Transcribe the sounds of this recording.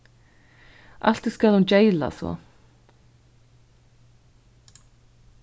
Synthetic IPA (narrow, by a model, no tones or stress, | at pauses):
ʔa̰l̥t̪iskalhunt͡ɕejla̰svɔ̰